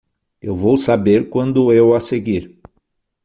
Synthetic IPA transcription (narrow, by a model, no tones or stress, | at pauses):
ḛwvowsabeɾkwɐ̃nd̪ʊewaseɡiɾ